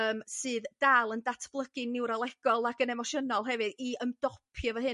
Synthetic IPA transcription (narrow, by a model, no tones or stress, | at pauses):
əːmsɨːðd̥aːlˠəndatʰb̥lˠəɡ̥ɨnɪwɾalˠɛɡ̥ɔlˠaɡənɛmɔʃənɔlˠɦɛvɨðiəmdɔpʰjɔvəɦɨ